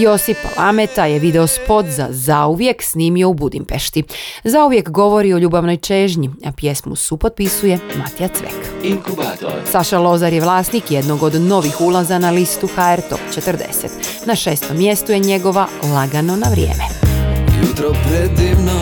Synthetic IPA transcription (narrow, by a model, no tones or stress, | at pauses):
jo̞sipa̰lˠamet̪ajeʋid̪ɛo̞spo̞t̪za̰zauʋje̞ksniːmio̞ubud̪impeʃt̪izauʋje̞kɡo̞ʋo̞ɾio̞ʎuːbaʋno̞jt͡ʃeːʒɲiapje̞smṵsupot̪̚pisuje̞mat̪ijat̪sʋḛk | saʃalˠo̞zaɾjeʋlˠaːsnikjed̪no̞ɡo̞d̪no̞ʋixulˠazanalist̪uxaeɾt̪o̞̰pt͡ʃet̪əɾd̪ḛset̪ | naʃeːst̪o̞mːje̞st̪ujeɲe̞ɡo̞ʋalaɡano̞naʋɾjḛːmejut̪ɾopɾed̪iʋno